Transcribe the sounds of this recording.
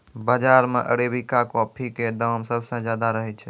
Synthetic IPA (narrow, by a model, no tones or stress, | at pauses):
bəd͡ʒaɾmḛʔə̰ɽebikakɔpʰiked̪əmsəbsə̃d͡ʒjad̪aɾəɦɛt͡ʃʰɛ